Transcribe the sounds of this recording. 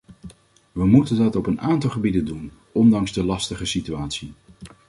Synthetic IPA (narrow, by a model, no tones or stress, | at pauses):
ʋəmutəndɑtɔpənaːntɑlˠχəbidəndun | ʔɔndɑŋzdəlɑstəχəsityaːtsi